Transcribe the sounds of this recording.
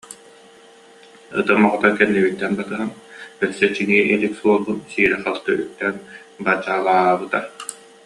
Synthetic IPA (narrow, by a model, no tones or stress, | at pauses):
ɯ̰t̪ɯmːɔʁɔt̪akɛnːiβit̪ːɛnbat̪ɯɦanœsɛt͡ɕiniɛʔiliksuɔlˠbunsiːɾɛχɯlˠt̪ɯʔyk̚t̪ːɛn | bad͡ʑaːlˠaːbɯt̪a